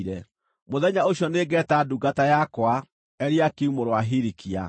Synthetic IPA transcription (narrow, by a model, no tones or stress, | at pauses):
ɾɛ | moðɛɲaoɕjɔneɡɛtaduɡatajakwa | ɛɾiakiumoɾoaɦiɾikʰia̰